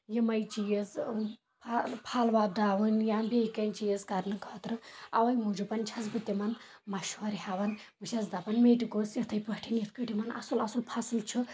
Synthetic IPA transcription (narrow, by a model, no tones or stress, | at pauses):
jimɐjt͡ʃijɐz | pʰpʰaːlʋaːd̪aːʋɨnjaːmbʲekɐnt͡ʃijɐzkɐɾnɨkʰɐːt̪ɾɨɐ̰ʋɐjmud͡ʒupɐnʲt͡ʃʰɐzbɨt̪ʲimɐn | mɐʃwɐɾiɦaʋɐnmɨʃʲɐzd̪apɐnmeːʈiɡosjɐt̪ʰɐjpɐʈʰinjɐt̪ʰkɨʈimɐnɐ̰sulɐsulpʰɐsɨlt͡ʃʰu